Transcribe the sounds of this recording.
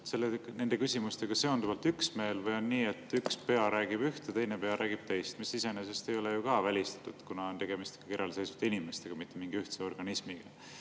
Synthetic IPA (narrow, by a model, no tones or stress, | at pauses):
se̞lːene̞nd̪e̞kysʲimust̪e̞ɡ̥ɑse̞o̞nd̪uvɑlt̪yksme̞ːlvɤjo̞nːiːe̞t̪ːykspe̞ɑɾæːɡ̥ib̥yht̪et̪ejne̞pe̞ɑɾʔæːɡ̥ib̥̚t̪e̞jst̪misise̞nese̞st̪e̞jo̞lejukɑvælʲist̪ɑ̥t̪ːˑud̪̥kunɑo̞nt̪eɡ̥e̞mist̪eɡ̥ɑkiɾjɑlese̞jsu̥t̪ːˑeinime̞st̪e̞ɡ̥ɑmit̪ˑːe̞miŋɡ̥iyht̪seo̞rɡ̥ɑnismiɡ̥ɑ